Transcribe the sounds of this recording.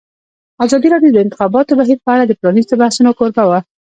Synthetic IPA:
azɑd̪iɾɑɖjod̪əɪnt̪ɪxɑbɑt̪obaɦiɾpəaɽad̪əpɾɑnizt̪obahsunokoɾbawa

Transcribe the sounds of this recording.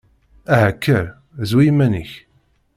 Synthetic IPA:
æɦækːəɾ | zwijmːæniç

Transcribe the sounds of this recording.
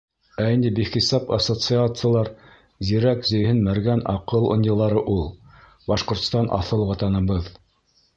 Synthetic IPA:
ænd̪ibiχisɑpasot̪sɨat̪sɨjalˠɑɾ | ziɾækzɵ̆jhɘnmæɾɡænɑ̰qɤlˠo̰nʲjɤ̆lˠɑɾɤʔulˠ | bɑʃqŏɾt̪st̪ɑnʔɑ̰θɤlˠwɑt̪ɑnɤ̆βɤð

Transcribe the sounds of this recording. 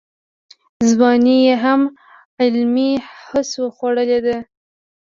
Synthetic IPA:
zbɑnijeɦam | ɪlmihəsoxwaɽəled̪e

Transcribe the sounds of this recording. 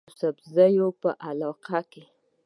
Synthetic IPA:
sabzajopə̰ʔalɑqake

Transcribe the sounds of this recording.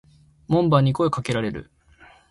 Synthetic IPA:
mõ̞mbaɲ̟ːiko̞ekake̞ɾaɾe̞ɾɯ̰

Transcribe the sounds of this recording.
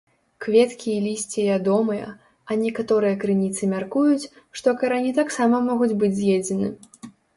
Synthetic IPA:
kvʲɛt̪kʲiːlʲisʲt͡sʲivʲad̪ɔmɨjɐ̰ | ɐnʲɛkat̪ɔɾɨjɐkɾɨnʲit̪sɨmʲarkujut͡sʲ | ʂt̪ɔkɐɾanʲit̪̬aksamɐmɔɣud͡zʲbɨd͡zʲzʲjed͡zʲɛnɨ̰

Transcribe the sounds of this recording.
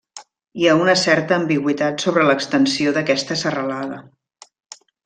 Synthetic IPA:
iaunəsɛɾt̪əːmbiɣwit̪at̪soβɾələkst̪ənsioðəkɛst̪əsərəlaðə

